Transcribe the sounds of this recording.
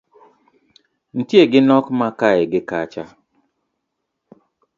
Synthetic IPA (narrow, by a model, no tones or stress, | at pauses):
n̩tjeɡɪnɔkmakaɛɡɪkat͡ʃa